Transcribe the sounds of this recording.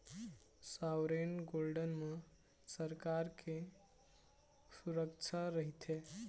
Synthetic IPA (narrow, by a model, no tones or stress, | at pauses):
sawɾenɡolɖənme | səɾkaɾke | suɾəkt͡ʃʰaɾəɦit̪ʰe